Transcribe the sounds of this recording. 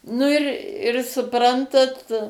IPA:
ˈnʊ ɪr ɪr sʊˈprɐntɐt

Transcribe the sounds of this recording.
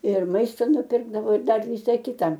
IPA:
ɪr ˈmɐɪstɐ nʊˈpʲɪrɡdɐʋoː ɪr ˈdɐr ˈʋʲɪsɐ ˈkʲɪtɐ

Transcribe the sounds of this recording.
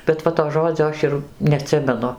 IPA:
bʲɛt ˈʋɐ toː ˈʒoːd͡zʲoː ˈɐʃ ɪr nʲɛɐˈtʲsʲɪmʲɛnʊ

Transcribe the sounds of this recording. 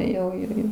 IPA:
jɛʊ ˈɪrʲɡʲɪ

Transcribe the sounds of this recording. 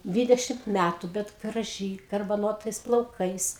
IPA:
ˈdʲʋʲiːdʲɛʃʲɪmt ˈmʲætʊ bʲɛt ɡrɐˈʒʲiː ɡɐrbɐˈnoːtɐɪs plˠɐʊˈkɐɪs

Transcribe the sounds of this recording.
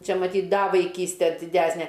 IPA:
ˈt͡ʃʲɛ mɐˈtʲiːtʲ ˈdɐ ʋɐɪˈkʲiːsʲtʲɛ dʲɪˈdʲæsʲnʲɛ

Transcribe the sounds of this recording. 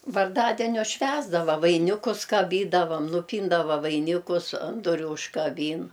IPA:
ʋɐrˈdɑːdʲɛnʲʊs ˈʃʲʋʲæːzdɐʋɐ ʋɐɪˈnʲɪkʊs kɐˈbʲiːdɐʋɐm nʊˈpʲiːndɐʋɐ ʋɐɪˈnʲɪkʊs ɐn ˈdʊrʲʊ ʊʃkɐˈbʲiːn

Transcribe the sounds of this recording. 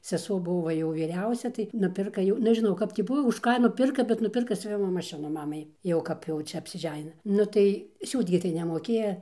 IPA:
sʲɛˈsuɔ ˈbʊʋoː ʋɐ ˈjɛʊ ʋʲiːˈrʲɛʊsʲɛ tɐɪ nʊˈpʲɪrkɐ jɛʊ nʲɛʒʲɪˈnɐʊ ˈkɐp tʲiː ˈbʊʋɐ ʊʃ ˈkɑː nʊˈpʲɪrkɐ bʲɛt nʊˈpʲɪrkɐ sʲʊˈʋʲɪmoː mɐˈʃʲɪnʊ ˈmɑːmɐɪ ˈjɛʊ ˈkɐp jɛʊ ˈt͡ʃʲɛ ɐpʲsʲɪˈʒʲæːnʲɪnɐ ˈnʊ tɐɪ ˈsʲuːt ɡʲɪ tɐɪ nʲɛmoːˈkʲeːjɛ

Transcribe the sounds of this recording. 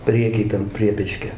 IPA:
ˈpʲrʲiɛkʲɪj ˈtɐm ˈpʲrʲiɛpʲɛt͡ʃʲkʲoː

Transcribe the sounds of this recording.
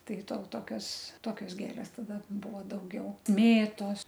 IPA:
ˈtɐɪ toː ˈtoːkʲoːs ˈtoːkʲoːs ˈɡʲeːlʲeːs tɐˈdɐ ˈbʊʋoː dɐʊˈɡʲɛʊ ˈmʲeːtoːs

